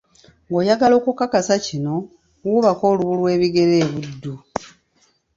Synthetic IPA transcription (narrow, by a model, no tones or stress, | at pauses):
ŋɡo̞ːjaɡalo̞ːkukakasacino̞ | wuβakoːluβulwe̞ːβiɡe̞ɾeːβudːu